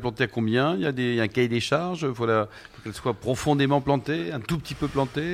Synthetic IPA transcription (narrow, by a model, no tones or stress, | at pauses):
plɑ̃t̪eakɔ̃bjɛ̃iljad̪ejaɛ̃kajd̪eʃaʁʒfala | fokɛlswapχɔfɔ̃d̪emɑ̃plɑ̃t̪eɛ̃t̪upət̪ipøplɑ̃t̪e